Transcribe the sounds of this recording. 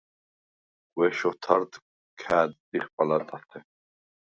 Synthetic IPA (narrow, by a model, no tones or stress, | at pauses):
ɡʼwɛʃɔt̪ʰaɾd̪ | kʰaːd̪d̪iχpʼalat̪ʼat̪ʰɛ